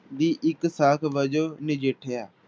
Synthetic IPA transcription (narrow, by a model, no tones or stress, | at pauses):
d̪iːʔɪksaːkʰbəd͡ʒoːnɪd͡ʒeʈʰejaː